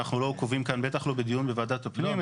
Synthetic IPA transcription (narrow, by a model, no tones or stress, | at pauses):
aχnulo̞kovimkanbe̞t̪aχlo̞bed̪ijunbevaːd̪at̪apnim